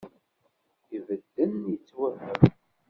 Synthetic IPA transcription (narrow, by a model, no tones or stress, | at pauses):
ivəd̪ːənjət͡sːwævəm